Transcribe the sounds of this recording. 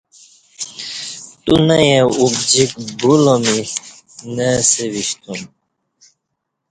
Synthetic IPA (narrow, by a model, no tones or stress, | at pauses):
t̪unəjeubd͡ʑik̚bulomi | nəseviɕt̪um